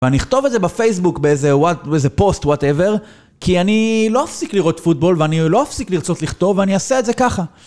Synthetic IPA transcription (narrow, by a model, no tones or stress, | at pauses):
veaniχt̪o̞vedzebafejs̬bukbeeze̞watbeeze̞po̞stwateve̞ʁ | kianilo̞afsikliʁo̞tfut̚bo̞lveanilo̞afsikliʁt͡so̞tliχt̪o̞veaniasetze̞kaχa